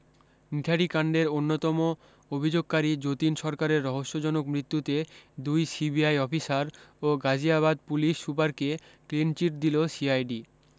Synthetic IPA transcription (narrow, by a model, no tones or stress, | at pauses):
nit̪ʰaɖikaɳɖeɾonːot̪ɔmo | obʱid͡ʑoɡ̚kaɾid͡ʑot̪inʃɔɾkaɾeɾːɔɦoʃːod͡ʑɔnokmɾit̪ːut̪ed̪ujsibiajɔfisaɾoɡad͡ʑiaβad̪̚puliʃːupaɾke | klint͡ɕiʈ̚d̪ilosiajɖi